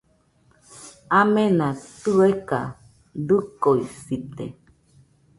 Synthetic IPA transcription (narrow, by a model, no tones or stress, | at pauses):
amẽnãt̪ueka | d̪ukoisit̪ḛ